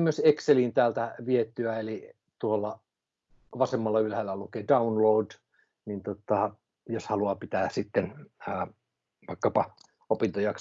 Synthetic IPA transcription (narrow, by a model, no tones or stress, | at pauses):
myøsekseliːnt̪æːlt̪æʋiet̪ːyæeli | t̪uolːɑ | ʋɑsemːɑlːɑylhælːælukeːdɑunloud | nint̪ot̪ɑ | joshɑluɑpit̪æːsit̪ːenː | ʋɑikːɑpɑ | opint̪ojɑks